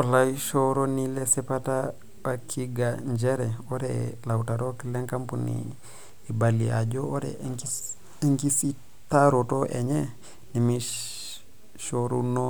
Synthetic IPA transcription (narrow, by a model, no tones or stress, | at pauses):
olaiʃoɾonilesepata | bakʰiɡaɲd͡ʒeɾeoɾelawutaɾokileŋkampunḭ | ibalia̰ɟooɾḛk | ŋkisi | taɾotoʔḛɲe | nimi | ʃoɾuno